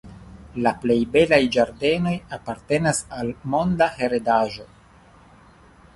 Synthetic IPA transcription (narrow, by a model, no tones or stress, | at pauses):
laple̞jbe̞lajd͡ʒaɾde̞no̞japaɾte̞nasalmo̞ndahe̞ɾedaʒo̞